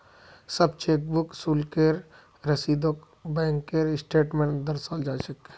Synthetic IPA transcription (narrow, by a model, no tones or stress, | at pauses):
sɐbt͡ʃeːk̚buksuːlkeɾ | ɾɐsiːd̪ok | bɛ̃ːŋkːeːɾɪsʈeːʈmẽɳd̪əɾsaːld͡ʒaːʃək